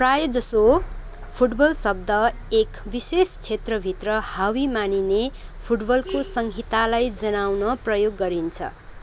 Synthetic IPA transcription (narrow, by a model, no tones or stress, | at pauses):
prajʌd͡zʌso | pʰuʈbʌlsʌb̚d̪ʱʌ | ekbisest͡sʰet̪rʌbʱit̪rʌhawimanine | pʰuʈbʌlkosʌŋɡʱit̪alajd͡zʌnawnʌprʌjoɡːʌɾint͡sʰʌ̰